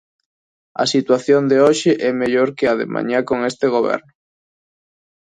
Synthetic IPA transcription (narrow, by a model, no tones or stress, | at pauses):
ɐ̰sit̪waθjond̪eoʃɪʔɛmeʎoɾkɪaðḛmʔa̰ɲakoŋest̪eɣ̞oβɛ̰ɾnʊ